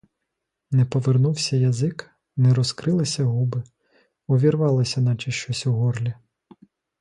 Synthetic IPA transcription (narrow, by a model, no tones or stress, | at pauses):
nɛpɔʋernuwsʲɐjɐzɪk | nɛɾɔskɾɪlˠɐsʲɐɦubɪ | ɔʋʲiɾʋɑlˠɪsʲɐnɑt͡ʃɐʃt͡ʃɔsʲuɦɔrlʲi